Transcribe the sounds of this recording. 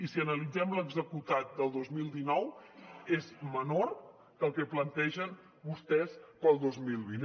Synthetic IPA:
isiənəlid͡zɛmləɡzəkut̪at̪̚d̪əlˠd̪ozmilˠd̪inɔwezmənor | k̪əlˠkɛplənt̪ɛʒən | βust̪ɛspəlˠd̪ozmilˠβin

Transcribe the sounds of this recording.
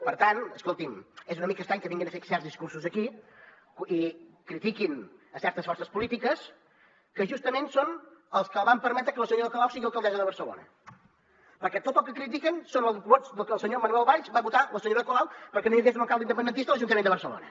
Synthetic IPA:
pəɾt̪anəskolˠt̪imezunəmikəst̪ɾaŋkəβiŋɡinəfesɛɾzðiskuɾsuzəki | ikɾit̪ikinəsɛɾt̪əsfɔrsəspulit̪ikəs | kəʒust̪əmensonəlˠskəlˠβampəɾmɛt̪ɾəkələsəɲoɾəkolawsiɣiəlˠkəlˠd̪ɛzəðəβəɾsəlo̰nə | pəɾkɛt̪ot̪̚polˠkːəkɾit̪̬ikənsonəlˠzβozd̪əlˠkəlˠsəɲomənuɛlˠβaʎʃbaβut̪aləsəɲoɾəkolawpəɾkɛnoiɣes̬unəlˠkalˠd̪indəpənd̪ənt̪ist̪ələʒunt̪əmenəβəɾsəlo̰nə̰

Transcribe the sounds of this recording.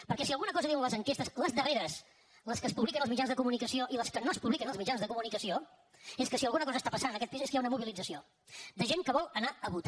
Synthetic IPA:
pəɾkɛsiəlˠɣunəkɔzəðiwənləzəŋkest̪əsləzðəreɾəs | ləskəspuβlik̬ənəlzmid͡ʒanzðəkumunikəsioʔiləskənoəspuβlikənəlˠzmid͡ʒanzðəkumunikəsio | eskəsiəlˠɣunəkɔzəːst̪apəsanənəkɛt̪piseskəjaunəmuβilid͡zəsio | d̪əʒeŋkəβɔlˠənaəβut̪a

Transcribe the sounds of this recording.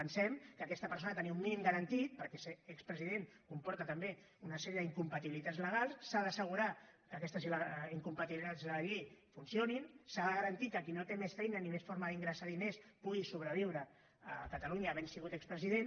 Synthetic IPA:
pənsɛmkəkɛst̪əpəɾsonət̪əniummːinimɡəɾənt̪it̪̚pəɾkɛseɛkspɾəziðenkumpɔɾt̪ət̪əmbe | unəsɛɾiəðiŋkumpət̪iβilit̪add͡zzləɣ̞alˠssaðəsəɣ̞uɾakəkɛst̪əziləiŋkumpət̪iβilit̪ad͡zðələʎejfunsioninsaðəɣəɾənt̪itkəkinot̪emesfɛjnənimesfoɾməðiŋɡɾəsaðinespuɣisuβɾəβiwɾə | əkət̪əluɲəːβɛnsiɣut̪ɛkspɾəziðen

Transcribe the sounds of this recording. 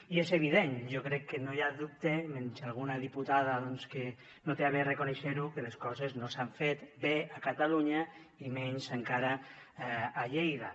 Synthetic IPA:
iezeβiðenʒokɾɛkːenojaðup̚t̪emensalˠɣ̞unaðiput̪aðaðɔnske | not̪eaβerekoneʃeɾukeleskɔzeznosaɱfet̪beakat̪aluɲa | imɛɲzeŋkaɾaː | ʎejða

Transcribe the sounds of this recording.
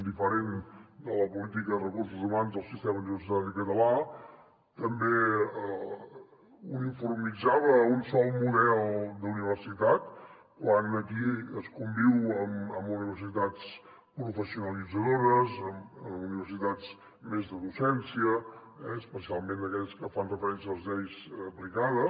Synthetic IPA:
d̪ifəɾend̪ələpulit̪ikəðərəkurs̬uzumanzðəlˠsist̪ɛməuniβəɾrsit̪at̪əkət̪əla | t̪əmbeə | unifurmid͡zaβəunsɔlˠmuðɛlˠd̪uniβərsit̪at̪ | kwanəkiəskumbiwəməmuniβəɾsit̪at͡s | pɾufəsiunəlid͡zəðoɾəzəməmuniβəɾsit̪at͡s | mezðəðusɛnsiə | ɛəspəsialˠmẽnd̪əkɛʎskəfanrəfəɾɛnsiəəlˠzðɛjzəplikaðə

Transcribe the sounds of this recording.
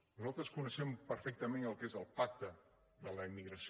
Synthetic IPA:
nuzalˠt̪ɾəskunəʃɛmpəɾfɛk̚t̪əmenəlˠkezəlˠpak̚t̪ə | ðələimːiɣɾəs

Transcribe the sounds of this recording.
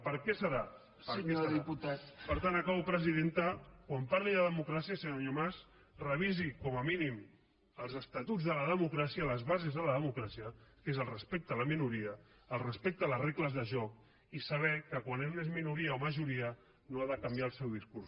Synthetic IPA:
pəɾkɛsəɾa | pəɾɛsðiput̪at̪pəɾt̪anəkawpɾəziðent̪əkwampaɾliðəðəmukɾasiəsəɲoɲomaz | rəβizikɔməminim | əlˠzəst̪at̪ud͡zðələðəmukɾasiələzβazezðələðəmukɾasiəkezəlˠrəspek̚t̪ələminuɾiəː | lˠrəspek̚t̪ələrekləzðəʒɔk | isəβɛkəkwanezmezminuɾiaoməʒuɾiə | noaðəkɐmbjaəlˠsɛwðiskuɾs

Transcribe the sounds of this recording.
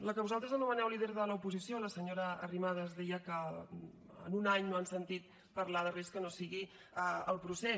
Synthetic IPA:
ləkəβuzalˠt̪ɾəzənumənɛwliðɛɾðələupuzisioləsəɲoɾəːrimaðəːzðɛjəkə | ə̰nunaɲnoənsənt̪it̪̚ | pəɾlaðəreskənosiɣi | əəlˠpɾusɛ

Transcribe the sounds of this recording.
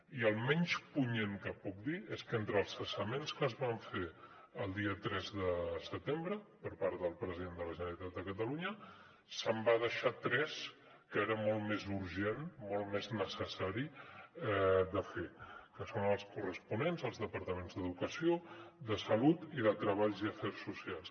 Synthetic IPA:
iəlˠmɛɲspuɲeŋkəpɔk̚d̪ieskent̪ɾəlˠsəsəmenskəzβaɱfe | əlˠd̪iət̪ɾɛzðəsət̪embɾəpəɾpaɾðəlˠpɾəziðend̪ələʒənəɾit̪at̪̚d̪əkət̪əluɲə | səmbað̞əʃat̪ɾɛs | kəeɾəmɔlˠmezuɾʒenmɔlˠmeznəsəsaɾiɛd̪əfekəsonəlˠskurəspunenzəlˠzðəpəɾt̪əmenzðəðukəsioðəsəlut̪iðət̪ɾəβ̞aʎziəfɛrsːusialˠs

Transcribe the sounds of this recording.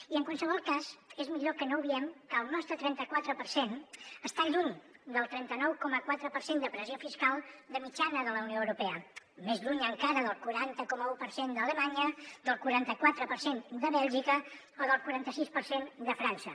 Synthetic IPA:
iəŋkwalˠsəβ̞ɔlˠkazezmiʎokənowβiɛmkəːlˠnɔst̪ɾət̪ɾɛnt̪əkwat̪ɾəpəɾsenəst̪aʎuɲd̪əlˠt̪ɾɛnt̪ənɔwkɔməkwat̪ɾəpəɾsend̪əpɾəziofiskalˠd̪əmit͡ʃanəðələunioəwɾupɛə | mezʎuɲəŋkaɾəðəlˠkuɾant̪əkɔməupəɾsend̪ələmaɲəd̪əlˠkuɾant̪əkwat̪ɾəpəɾsend̪əβɛlˠʒikə | oðəlˠkuɾant̪əsispəɾsend̪əfɾansə

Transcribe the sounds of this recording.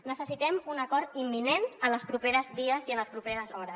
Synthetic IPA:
nəsəsit̪ɛmunəkɔɾt̪imːinenənləspɾupeɾəzðiəziənləspɾupeɾəzɔɾəs

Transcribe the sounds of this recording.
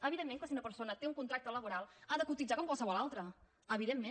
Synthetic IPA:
əβ̞iðemːeŋkasiunəpəɾsonət̪euŋkunt̪ɾak̚t̪ələβuɾalˠaðəkut̪id͡ʒakoŋkwalˠsəβɔlalˠt̪ɾə | əβiðemːe

